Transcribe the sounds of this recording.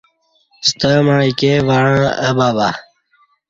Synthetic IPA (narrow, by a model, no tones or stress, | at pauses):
st̪əːmaːikeːʋaːɻãːə̰baːbaː